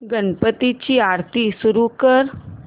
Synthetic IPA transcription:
ɡənpət̪it͡ɕiːaɽt̪isuɾukəɾ

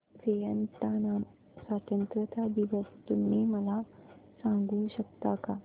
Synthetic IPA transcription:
sejənt̪ana | sʋaːt̪ənt̪ɾət̪ad̪iʋəst̪unːimɐlasãŋɡũːɕək̚t̪aka

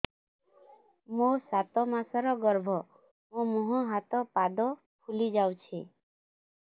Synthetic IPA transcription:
mosat̪ɔmãsaɾɔɡəɾbʱɔ | mõmuɦɔ̃ɦat̪ɔpad̪ɔ | pʰulid͡ʒawt͡ʃʰi

